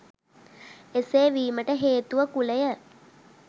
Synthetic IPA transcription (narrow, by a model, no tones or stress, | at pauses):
eseːʋiːməʈəɦeːt̪uʋəkulejə